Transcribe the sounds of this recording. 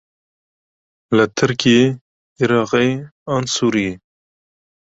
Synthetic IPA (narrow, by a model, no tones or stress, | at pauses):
lət̪ʰɨɾkije | iɾɑːqejɑnsuɾije